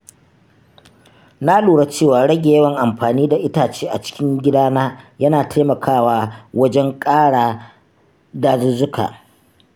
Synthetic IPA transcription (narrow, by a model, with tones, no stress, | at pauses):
na˦luː˨ɽa˦t͡ʃeː˦˨waː˨ɽɐ˦ɡʲe˨jɐ˦wɐ˨ŋʔa˨mɸaː˨niː˦da˨ʔɪ˦taː˨t͡ʃeː˦ʔa̰˨t͡ʃɪ̥˦kʲɪ˦ŋɡʲɪ˦daː˦naː˦jɐ˦naː˨tʰa˦mɐ˨kʰaː˦˨waː˦wɐ˦d͡ʒɛ˦ŋkʼaː˦ɽaː˨ | daː˦˨zʊ˦zʊ˦ka̰ː˨